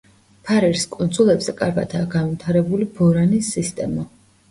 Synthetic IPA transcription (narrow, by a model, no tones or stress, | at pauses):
pʰaɾɛɾskʼund̪zulˠɛbz̥ɛkʼaɾɡad̪ʰaːɡanvit̪ʰaɾɛbulibɔɾanisːist̪ʼɛ̰ma